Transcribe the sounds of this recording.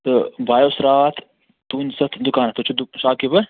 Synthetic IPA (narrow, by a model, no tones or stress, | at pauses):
t̪ɨbʱaːjoːsɾaːt̪ʰ | t̪unsɐt̪ʰd̪ukaːnɐt̪ɨt͡ʃʰud̪ʃaːkibɐ